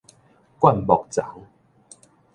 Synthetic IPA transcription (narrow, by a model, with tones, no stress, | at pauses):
kwa˥˨nbɔ˨˩k̚t͡sa˨˦ŋ